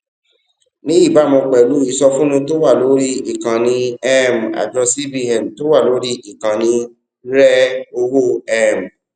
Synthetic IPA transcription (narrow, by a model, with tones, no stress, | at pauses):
nĩ˦i˦˨ba˨˦˨mɔ̃˧k͡pɛ˨lu˨˦i˨sɔ˧fũ˦nũ˧to˦wa˦˨lo˨˦ɾi˦i˦˨kã˨nĩ˧ɛ˦m˨a̰˨d͡ʒɔ˧si˦bi˧ɛ˨m̩˨to˦wa˦˨lo˨˦ɾi˦i˨kã˨nĩ˧ | ɾɛ˦o˧wo˦˨ɛ˦˨m˨